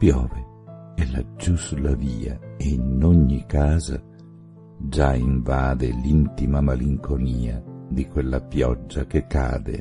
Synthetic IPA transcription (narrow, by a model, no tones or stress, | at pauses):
pjɔːve | ɛlad͡ʒuslaviːa̰einoɲːikaːza̰ | d͡ʒaiɱvaːd̪elint̪imamaliŋkʰoniːad̪ikwelːapjɔd͡ʒːakekːa̰ːd̪ḛ